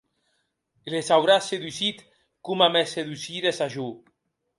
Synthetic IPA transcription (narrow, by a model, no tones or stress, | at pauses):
lesawɾaseðusit̪ | kumamɛseðusiðesaʒu